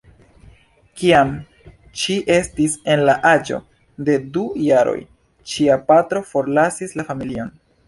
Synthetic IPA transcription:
kiam | ʃiʔe̞stise̞nlaʔad͡ʒo̞̰ | de̞dujaɾo̞̰j | t͡ʃiapatɾo̞fo̞ɾlasislafamilio̞n

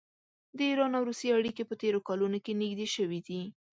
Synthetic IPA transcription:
d̪əiɾɑnawɾust̪eaɽikepət̪eɾokɑlunokeniɡd̪eʃəwid̪i

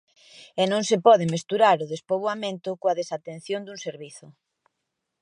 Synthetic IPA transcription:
ɛnõŋsepɔðɪmest̪uɾaɾʊðespoβ̞wamẽnt̪ʊkoaðesat̪en̟θjond̪uŋseɾβiθʊ

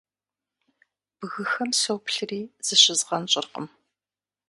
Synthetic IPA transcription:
b̥ɨɣɨxɐmsowpɬɨriːz̥ɨɕɪzʁɐnɕʼɪ̰rqə̰m

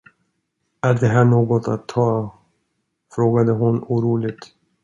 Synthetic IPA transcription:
æd̪ɛɦæːɳoːɡɔt̪a̰t̪ʰːɑː | fɾoːɡad̪əɦʊnuːɾuːlɪɡ̚t̪

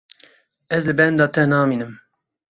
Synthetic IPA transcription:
ɛzlɨbɛnd̪ɑːt̪ɛnɑːmiːnɨm

